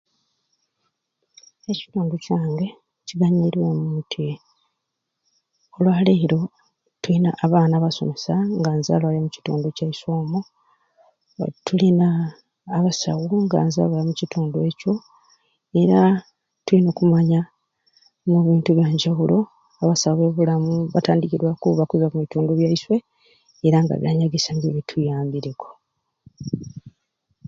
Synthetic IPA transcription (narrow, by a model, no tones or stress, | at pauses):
eci̥tuːnducaːŋɡe̞ | ciβaɲiɾwemutʰi | olwaːle̞ːɾo̞ | tulinaʔːβaːnaːβaso̞̰mesaŋɡaːnza̰ːlwajamuci̥tṵːnducaisoːmo | tʰulinaː | βasa̰ɣuŋɡa̰ːnza̰βwajamucituːndwe̞co̞ | e̞ɾa | tulino̞ːkumaɲa | muβiːntuβjaːɲɟawulo̞ | aβasawe̞ːβulamuβataːndiciɾwakuβakuzamuβituːnduβjaiswe̞ː | ɾaŋɡa̰βja̰ɲaɡesanɡeβitʰujaːmbiɾeko̞